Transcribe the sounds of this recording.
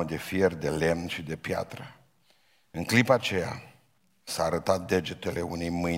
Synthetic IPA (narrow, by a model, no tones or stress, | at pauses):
od̪e̞fje̞rd̪e̞le̞mnʃid̪e̞pja̰t̪ɾə | ɨŋklipaːt͡ʃe̞ja̰ | saːɾət̪at̪̚d̪e̞d͡ʒet̪e̞le̞une̞jmɨ